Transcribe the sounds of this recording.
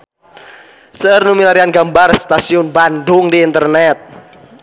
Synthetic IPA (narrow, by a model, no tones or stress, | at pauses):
sərnumilaɾianɡambarst̪asiʊnbandʊŋdiːnt̪ərnɛt̪̚